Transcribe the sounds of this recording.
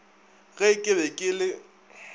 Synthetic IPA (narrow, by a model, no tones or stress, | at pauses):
ɣɛkʼɪbɛkʼɪlɪ